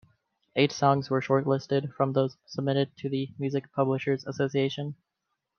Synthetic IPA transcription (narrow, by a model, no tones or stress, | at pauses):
ʔeɪtsɔ̃ŋzwə˞ʃɔɹtˡlɪstɨd̥fɹʌ̃mðoʊz̥səb̚mɪɾɨd̚tʰɨðɨmjʉzɨk̚pʰʌbləʃə˞zəsoʊsieɪʃɨ̃n